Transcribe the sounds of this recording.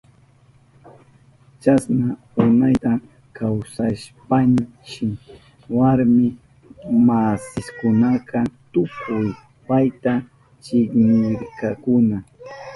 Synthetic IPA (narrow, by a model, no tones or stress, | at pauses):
t͡ʃasna | ʊnajt̪a | kʰawsaʃpan | t͡ʃɪ | waɾmɪ | masɪskʊnakʰɑt̪ʊkʰʊj | pajt̪a | t͡ʃɪknɪɾkakʊna